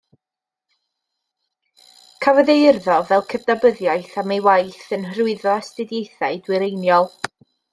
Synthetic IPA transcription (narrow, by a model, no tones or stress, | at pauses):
kʰavəðejrðɔvɛlˠkʰəvdabəðjajθamejwajθənhrʊɨðɔɛstɨdjejθajdwɪɾejnjɔlˠ